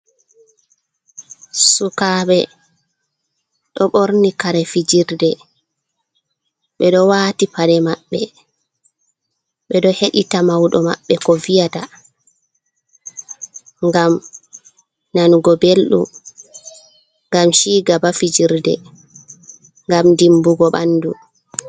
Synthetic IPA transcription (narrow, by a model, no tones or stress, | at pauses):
sukaːɓɛ | ɗɔɓoɾnikaɾɛfid͡ʒiɾdɛ | ɓɛɗɔwaːtipaɾɛmaɓːɛ | ɓɛɗɔheɗitamawɗɔma̰ɓːɛkɔvijata | ŋɡam | nanɡɔbelɗṵ | ŋɡamʃiːɡabafid͡ʒiɾdɛ̰ | ŋɡamdimbuɡɔɓandu